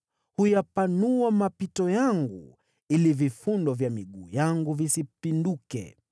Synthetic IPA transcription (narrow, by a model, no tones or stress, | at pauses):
hujapanuamapitɔjaŋɡṵ | ilivifundɔvjamiɠuːjaŋɡuvisipindukɛ̰